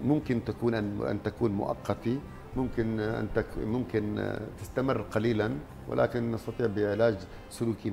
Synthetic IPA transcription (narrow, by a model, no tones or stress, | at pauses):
mʊmkɪnt̪akuːnʔaʔa̰nt̪akuːnmʊ̰ʔɑ̰qːɑt̪i | mʊmkɪnʔa̰nt̪amʊmkɪnt̪ɪst̪amɪrːqɑliːlan | wɪ̰la̰ːkɪnːɑst̪ɑt̪ˤiːʕbɪɪʕlaːd͡ʒ | sʊluːki